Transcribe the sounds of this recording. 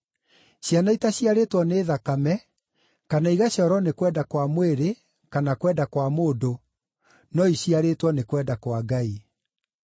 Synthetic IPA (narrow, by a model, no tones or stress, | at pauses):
ɕjanaitaɕiaɾetwɔneːðakamɛ | kanaiɣaɕjɔɾɔnekwɛdakwamweɾe | kanakwɛdakwamoːdo | nɔiɕiaɾeːtwɔnekwɛdakwaɡai